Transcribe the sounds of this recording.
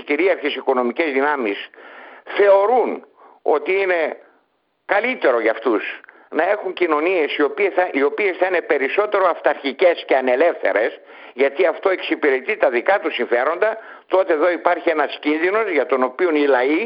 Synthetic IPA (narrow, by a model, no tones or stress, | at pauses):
ciɾiɐɾçesiko̞no̞mice̞zðinɐmisθe̞o̞ɾun | o̞t̪iine̞ | kɐlit̪e̞ɾo̞ʝɐft̪us | nɐe̞xuɲcino̞nie̞sio̞pieio̞pie̞sθɐine̞pe̞ɾiso̞t̪e̞ɾo̞ɐft̪ɐɾçice̞sceɐne̞le̞fθe̞̰ɾe̞s | ʝɐt̪iɐft̪o̞e̞ksipiɾe̞t̪it̪ɐðikɐt̪usiɱfe̞ɾo̞nd̪ɐ | t̪o̞t̪e̞ːðo̞ipɐɾçie̞nɐscinðino̞zʝɐt̪o̞no̞pionilɐi